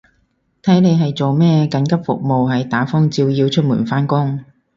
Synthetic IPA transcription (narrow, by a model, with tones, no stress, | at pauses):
t̪ʰɐ˨˥jne˨˧jɦɐ˨jt͡so˨wmɛː˥kɐ˨˥nkɐ˥p̚fʊ̰˨k̚mo˨wɦɐ˨jt̪aː˨˥fɔ˥ŋt͡siː˧wjiː˧wt͡ʃʰɵ˥t̚mṵː˨˩nfaː˥nkʊ˥ŋ